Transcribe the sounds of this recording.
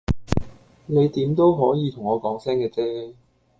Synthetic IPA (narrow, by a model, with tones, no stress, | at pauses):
ne˨˧jt̪iː˨˥mt̪o˥wɦɔː˨˥jiː˨˧t̪ʰʊ˨˩ŋɔː˨˧kɔː˨˥ŋsɛː˥ŋkɛː˧t͡sɛː˥